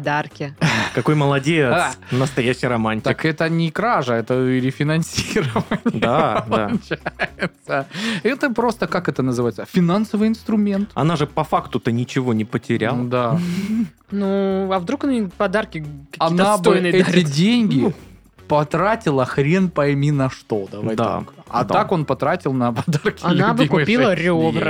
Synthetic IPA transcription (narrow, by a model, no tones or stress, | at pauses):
ɐd̪arkʲɪkɐko̞jməlˠɐdʲesnəst̪ɐjæɕːɪjɾɐmanʲtʲːɪt̪akɛt̪ənʲɪkɾaʐəɛt̪əɾʲɪfʲɪnɐnʲsʲiɾəvənʲd̪adlanʲt͡ɕajɪt̪səɛt̪əpɾo̞st̪əkakɛt̪ənəzɨvajɪt̪səfʲɪnansəvɨjɪnst̪ɾʊmʲe̞nt̪ɐ̰naʐɨpɐfakt̪ʊt̪ənʲɪt͡ɕɪvo̞nʲɪpətʲɪɾʲa̰lˠd̪a | nuɐvd̪ɾuknpɐd̪arkʲɪkɐkɐinːab̪ɨjnɛtʲɪdʲenʲɡʲɪ | pɐt̪ɾatʲɪlˠəxɾʲenpɐɪmʲinɐʂt̪o̞d̪ɐvajd̪̰k | ɐ̰t̪ako̞npɐt̪ɾatʲɪlˠnɐpɐd̪arkʲɪɐlʲnabɨkʊpʲilˠəɾʲɪovɾə